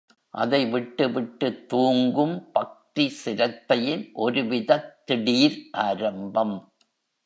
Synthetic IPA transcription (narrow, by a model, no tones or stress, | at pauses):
ʔɐ̰ðɐɪʋɪʈːɯʋɪʈːɯt̪ːuːŋɡɯmpɐk̚t̪isɪɾɐt̪ːɐjɪnʔɔɾɯʋɪðɐt̪ːɪɽiːɾʔaːɾɐmbɐm